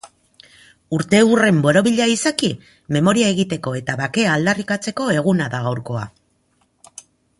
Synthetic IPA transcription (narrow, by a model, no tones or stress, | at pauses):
uɾt̪e̞ure̞mbo̞ɾo̞βiʎaisaki | me̞mo̞ɾiae̞ɣit̪e̞ko̞e̞t̪aβake̞aːld̪arikat͡se̞ko̞e̞ɣ̞unaðaɣ̞awɾko̞a̰